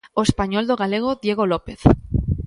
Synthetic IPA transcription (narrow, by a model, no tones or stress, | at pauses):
oespaɲɔld̪oɣaleɣ̞oðjeɣolopeθ